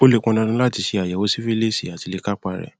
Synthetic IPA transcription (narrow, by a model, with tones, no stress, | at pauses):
o˦le˦kɔ̃˧nã˧nũ˧˦la˦˨ti˨˧˦ʃe˧a˨jɛ˨o˨˦si˦fi˦le˦si˦˨a˨ti˨˦le˧ka˦k͡pa˧˨ɾɛ̰˨